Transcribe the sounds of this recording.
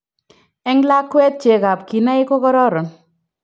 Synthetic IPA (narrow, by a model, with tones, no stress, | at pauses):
ɛ˦ŋla˦kːwɛ˦t̪̚t͡ʃe˨ka˨pki˨na˦ɪ˦ko˦kɔ˦ɾɔ˦ɾɔ˨n